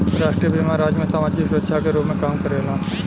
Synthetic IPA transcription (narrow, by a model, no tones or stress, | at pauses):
ɾaːʃʈɾijəbimaɾaːd͡ʒmẽsaːmaːd͡ʒikʃətːʃʰakeɾoːpmẽkaːmkəɾelãː